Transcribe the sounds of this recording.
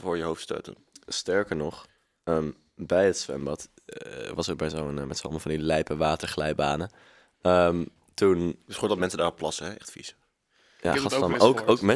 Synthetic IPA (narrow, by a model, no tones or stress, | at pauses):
vʊːɹjəɦowftstø̰ːtə̰nstɛɹkəɹnɔχ | əːm | bɛjətsʋɛ̰mbɑt | ʋɑsəbɛjsowənmɛtso̰məvɑndilɛjpəʋaːtəɹχlɛjbaːnə | əm | tunsχoːdɑt̚mɛnsədaːrɔpːlɑsəɦɛʔɛ̰χtfḭsə | ja̰χɑtokowkmɛ